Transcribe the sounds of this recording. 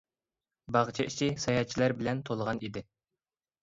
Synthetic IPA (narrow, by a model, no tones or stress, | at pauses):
bɑʁt͡ʃʰɑʔit͡ʃʰisɑjɑt͡ʃʰilæɾbɪlɛnt̪ʰolˠəʁɑnid̪ɪ